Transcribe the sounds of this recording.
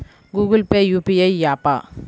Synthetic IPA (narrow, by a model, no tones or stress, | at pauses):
ɡuːɡəlpeːjuːpiɐjjaːpa̰ː